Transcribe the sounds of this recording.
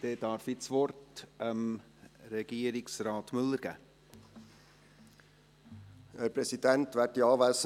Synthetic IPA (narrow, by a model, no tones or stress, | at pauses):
d̥ɛːd̥ɑɾfɪsʋɔrtəm | ɾɛɡ̥iːəɾɪksrɑːt̪mʏlːəɾɡ̥æ̰ː | æːɾpɾɛsidænt̪ʋætiɑːʋæs